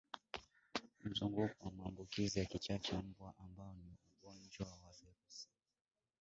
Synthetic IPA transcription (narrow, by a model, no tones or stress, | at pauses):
m̩zuŋɡukuwamaːmbukizijakit͡ʃat͡ʃɛm̩bwaʔambaɔniuɡɔnd͡ʒwawaviɾusi̥